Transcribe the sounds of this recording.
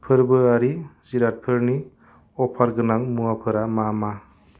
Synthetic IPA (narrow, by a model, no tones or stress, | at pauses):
pʰɯɾbɯaɾiziɾat̚pʰɯɾni | ɔpʰaɾɡɯnaŋmuapʰɯɾamama